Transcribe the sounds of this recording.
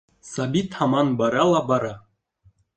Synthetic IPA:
sɑbit̪hɑmɑnbɑɾɑlˠɑbɑɾɑ

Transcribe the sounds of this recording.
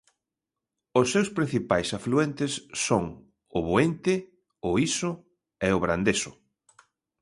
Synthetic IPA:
ʊsːewspɾĩn̟θipajsafluent̪ɪsːoŋ | ʊβoent̪ɪ | ʊisʊ | ɛʊβɾand̪esʊ

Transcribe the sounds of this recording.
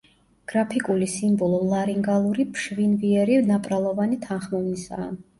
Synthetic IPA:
ɡ̥ɾapʰikʼulisimbɔlˠɔlˠaɾiŋɡalˠuɾipʰʃvinviɛɾivnapʼɾalˠɔvanit̪ʰanχmɔvnisa̰ː

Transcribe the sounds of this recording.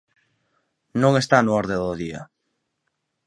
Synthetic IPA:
nõŋest̪anoɔɾðeðoðiɐ̰

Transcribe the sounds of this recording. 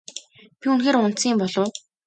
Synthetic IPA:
pʲiunxeːɾʊnt͡siːmpɔɮʊ̆ː

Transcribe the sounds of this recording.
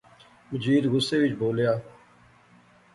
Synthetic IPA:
məd͡ʒiːd̪ɣʊsːeːʋɪt͡ʃboːljaː

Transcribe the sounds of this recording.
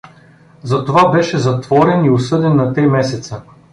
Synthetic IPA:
zɐt̪ovabɛʃɛzɐt̪vɔɾɛniʊsɤd̪ɛnːɐt̪ɾimɛsɛt̪sə

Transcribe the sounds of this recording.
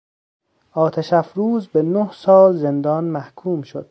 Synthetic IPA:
ʔɒːt̪ʰæʃæfɾuːzbenohsɒːlze̞nd̪ɒːnmæhkʰuːmʃo̰d̪̥̚

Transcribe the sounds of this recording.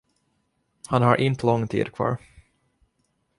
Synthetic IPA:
hanhaɾʔɪnt̪əlɔŋːt̪ʰḭːd̪kʰvɑ̰ːɾ

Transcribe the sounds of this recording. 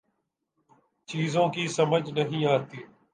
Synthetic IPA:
t͡ʃiːzõːkiːsəməd͡ʒʱnəɦĩːaːt̪iː

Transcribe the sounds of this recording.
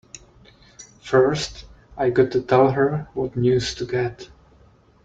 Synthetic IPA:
fɜ˞st | aɪɡɑtʰːɨtʰɛlˠɦə˞wʌtnjʉz̥tʰɨɡɛt

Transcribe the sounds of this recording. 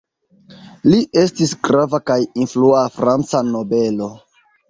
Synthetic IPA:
liʔe̞stisɡɾavakajinfluafɾant͡sano̞be̞lo̞

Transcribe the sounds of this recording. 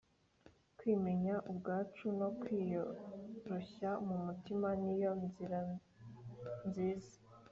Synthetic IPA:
kwiːme̞ɲaʔubɡaːt͡ʃuno̞kwiːjoɾoçamumutimanijo̞nziɾa | nziːzḁ

